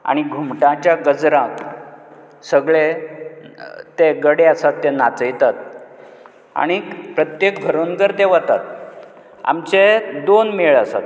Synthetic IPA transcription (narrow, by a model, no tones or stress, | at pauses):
a̰ɽ̃iɡʱumʈãt͡ɕjaɡəd͡zɾã | səɡɭe | t̪eɡəɽeasat̪ːenat͡səjt̪at̪̚ | a̰ɽ̃ipɾət̪jek̚ɡʱəɾonɡəɾt̪eʋət̪at̪̚ | a̰mt͡sed̪onmeɭasa̰t̪̚